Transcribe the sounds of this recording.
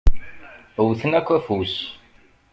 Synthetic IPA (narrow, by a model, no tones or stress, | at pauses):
wθənækʷːæfus